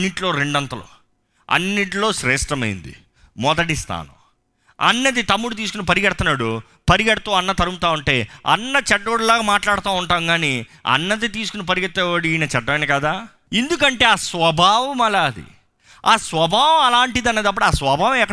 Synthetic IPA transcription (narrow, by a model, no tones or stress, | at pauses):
nːiʈlo̞ːɾe̞ɳɖɐnt̪ɐlo̰ː | ɐ̰nːiʈ̬loːʃɾeːsʈɾɐmɐ̰jḭnd̪ḭ | mɔd̪ɐʈist̪ʰa̰ːnɐ̰m | ɐ̰nːɐd̪it̪ɐmːuɽut̪̬iːs̬u̥kunɐpɐɾiɡɐɽt̪ɐnaːɽu | pɐɾiɡɐɽɐt̪uːɐnːɐt̪ɐɾumut̪aːuɳʈe̞ːɐ̰nːɐt͡ʃɛɖːoɽulaːɡaːmaːʈlaːɽɐt̪aːuɳʈaːmɡaːni | ɐ̰nːɐd̪it̪iːsu̥kunɐp̬ɐɾiɡɐt̪ːɛʋɐɽijnɐt͡ʃɛɖːɐmɐnɐkaːd̪aː | end̪uk̬ɐɳʈe̞ːaːsʋɐbʱaːʋɐmɐlaːd̪ḭ | aːsʋɐbʱaːʋɐmɐlaːɳʈid̪ɐned̪ɐpːɐɽaːsʋɐbʱaːʋɐmɛkːɐ